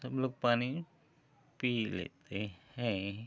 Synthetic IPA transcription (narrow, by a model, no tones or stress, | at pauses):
bluk̚pani | pilḛt̪ehe